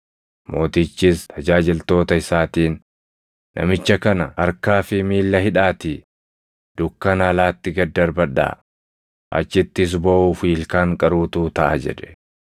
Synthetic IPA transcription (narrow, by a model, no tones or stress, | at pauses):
mo̞ːt̪ɪt͡ʃːiːst̪ʰɐd͡ʒaːd͡ʒɪlt̪o̞ːt̪ɐɪsaːt̪iːnː | ʔɐ̰mɪt͡ʃːɐkɐnɐɐɾkaːfɪmiːlːɐɦɪᶑaːt̪i | d̪̥ʊkːɐnɐlaːt̪ːɪɡɐd̪ːɐɾbɐᶑa̰ː | ʔɐ̰t͡ʃːɪt̪ːɪːs̬bɐʔuːfiːlkaːŋkʼɐɾuːt̪uːt̪ɐʔɐ̰d͡ʒɛ̰ᶑ̪ɛ̥